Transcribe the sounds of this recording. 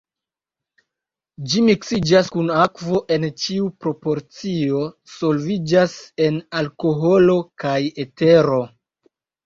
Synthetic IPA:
d͡ʒimiksid͡ʒaskunakvo̞ʔe̞nt͡ʃiupɾo̞po̞ɾt͡sio̞ | so̞lvid͡ʒase̞nalko̞ɦo̞lokaje̞te̞ɾo̞

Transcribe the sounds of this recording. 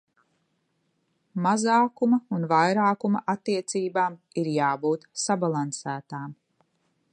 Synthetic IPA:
mazaːkumɐunvajɾaːkumɐʔat̪ːiɛt̪siːbaːmiɾjaːbuːt̪sabalˠansæːt̪aːm

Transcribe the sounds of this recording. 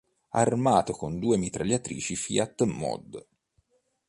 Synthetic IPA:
a̰rmaːt̪okond̪uːemit̪ɾaʎːat̪ɾḭːt͡ʃifḭat̪ːmɔ̰d̪

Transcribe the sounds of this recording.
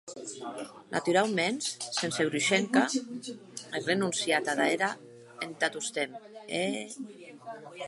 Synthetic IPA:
nʔa̰t̪uɾalmenssenseɣɾuʃeŋka | erenunsjat̪aðaeɾa | ent̪at̪ust̪eme

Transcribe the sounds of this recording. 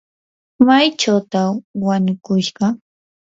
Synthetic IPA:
majt͡ʃawt̪awaɲʊkʊʃɢɑ

